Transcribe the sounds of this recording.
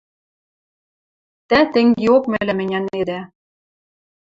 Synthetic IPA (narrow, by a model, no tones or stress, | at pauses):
t̪æt̪ɘ̆ŋɡeokmæ̆lʲæmɘ̆nʲæned̪æ